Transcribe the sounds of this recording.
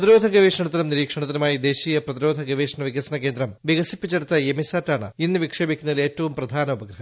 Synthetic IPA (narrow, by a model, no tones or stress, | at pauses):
ɐðiɾo̞ːd̪ʱɐɡɐʋiːʂɐɳɐt̪̬ːinɐumniɾiːkʂɐɳɐt̪ːinumaːjid̪e̞ːɕiːjɐprɐt̪iɾo̞ːd̪ʱɐɡɐʋiːʂɐɳɐʋiɡɐsɐnɐke̞ːnd̪ɾɐmʋiɡɐsipːit͡ɕːeɽut̪ːɐemisaːtːaːɳɨ̰inːuʋikʂe̞ːbikʲːunːɐðile̞ːtːɐʋumprɐd̪ʱaːnɐubɐɡɾɐɦɐm